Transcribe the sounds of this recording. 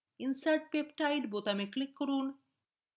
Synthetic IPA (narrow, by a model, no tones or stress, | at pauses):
insaɾʈ̚pepʈajʈbot̪ameklikːoɾun